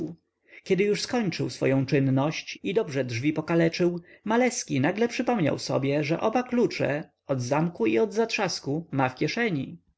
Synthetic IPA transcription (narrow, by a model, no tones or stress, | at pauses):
kʲɛd̪ɘjuʂskɔɲt͡ʂɘwsfɔ̰jɔ̃w̃t͡ʂɘnːɔɕt͡ɕid̪ɔbʐɛdʐvʲipɔkalɛt͡ʂɘwmalɛskʲinaɡlɛpʂɘpɔmɲa̰wsɔ̰bʲjɛʐɛʔɔbaklut͡ʂɛ̰ | ɔd̪zamkuiɔd̪zat̪ʂaskumafkʲjɛʂɛɲi